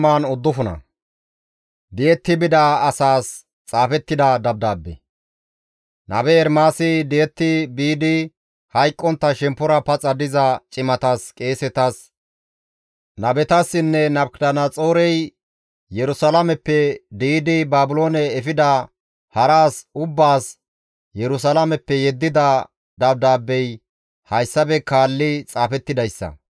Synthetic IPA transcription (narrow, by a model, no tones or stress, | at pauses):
maːnʊd̪ːʊfʊnɐ̰ | d̪ɪjɛt̪ːɪbɪd̪aɐsaːs | t͡sʼaːfɛt̪ːɪd̪ɐd̪ɐb̚d̪aːbːɛ̰ | nɐ̰bɛːɾmaːsɪd̪ɪɛt̪ːɪbiːd̪ɪ | hɐjkʼːɔnt̪ːɐʃɛmpːʊɾɐpɐt͡sʼɐd̪ɪzɐt͡ʃʼɪmɐt̪askʼe̞ːsɛt̪ɐs | nɐbɛt̪ɐsːɪnːɛnɐbkd̪ɐnɐt͡sʼoːɾɛj | jɛɾʊsɐlɐmɛpːɛd̪iːd̪ɪbaːbʊlo̞ːnɛːfɪd̪ɐ | hɐɾaːsʊbːaːs | jɛɾʊs̬ɐlɐmɛpːɛjɛd̪ːɪd̪ɐ | d̪ɐb̚d̪aːbːɛj | hɐjsːɐbɛkaːlːɪt͡sʼaːfɛt̪ːɪd̪ɐjsːɐ̰